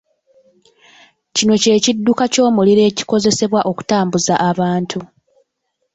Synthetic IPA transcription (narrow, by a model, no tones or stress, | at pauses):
cino̞ce̞ːcidːukaco̞ːmuliɾe̞ːci̥ko̞ze̞se̞βwaʔo̞ku̥taːmbuzaʔːβaːntʰu